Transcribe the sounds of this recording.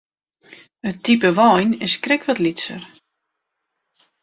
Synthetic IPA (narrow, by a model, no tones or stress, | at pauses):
ətipəʋɔjnɪskrɪkʋɔtlitsə̰r